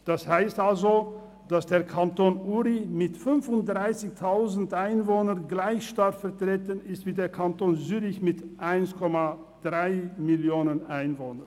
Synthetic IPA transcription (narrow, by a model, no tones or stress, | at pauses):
d̥ashaɪstalzo | d̥asd̥eːɐkʰantoːnʔuːʁimɪtfʏnfʊnt̚d̥ʁaɪsɪçtʰaʊzn̩tʔaɪnvoːnənɡlaɪçʃtaɐkfɛɐtʁ̥eːtənɪstv̥iːdeːɐkʰantoːnzyːʁɪçmɪtʔaɪnskʰɔma | d̥ʁaɪmɪljoːnənʔaɪnvoːnə